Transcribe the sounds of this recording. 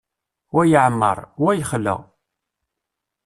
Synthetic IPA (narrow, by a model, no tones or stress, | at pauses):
wæjəʕəmːə̰ɾˤwæjəχlːə̰